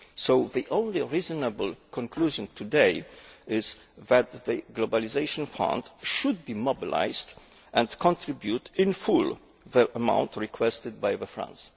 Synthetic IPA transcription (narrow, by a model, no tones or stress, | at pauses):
soʊðiʔõʊ̃nliɹizɔnəblkʰɔ̃nkʰluʒɔ̃nt̪ʰud̪eɪɪzðæt̪ðɨɡlobalizeɪʃɔ̃nfã̰nd̪ʃud̪̚bimɔbila̰jz̥d | ʔɛ̃ndkʰɔ̃nt̪ʰɹibjut̪ɪ̃nful | ðəʔamã̰w̃nt̪ɹikʰwɛst̪ɨd̪̚bajðəfɹã̰ns